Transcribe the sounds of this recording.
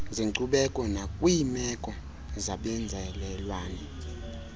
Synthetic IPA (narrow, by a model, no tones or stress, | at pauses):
ziǀuɓɛkʼɔnakʼwiːmɛkʼɔ | zaɓɛnd͡zʱɛlɛlwaːnɛ